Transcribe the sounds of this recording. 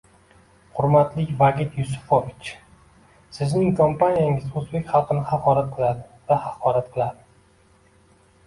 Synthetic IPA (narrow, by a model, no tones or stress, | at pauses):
χʊɾmat̪lɪkʲvaɡʲɪt̪jʊsʊ̥fovɪt͡ʃ | sɪznɪŋkʰompʰanijaŋɪzozbe̞kʲχɑlˠqɨnɪhɑqʰɒɾat̪̚qʰɨlˠad̪ɪvahɑqʰɒɾat̪̚qʰɨlˠad̪ɪ